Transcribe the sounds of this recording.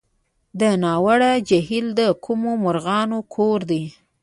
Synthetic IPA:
d̪ənɑwaɽad͡ʒaɦild̪əkʰumomʊɾɣɑnokʰoɾd̪i

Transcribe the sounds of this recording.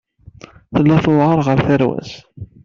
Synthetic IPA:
θəlːæθʊʁəɾˤʁəɾθæɾwæ̰s

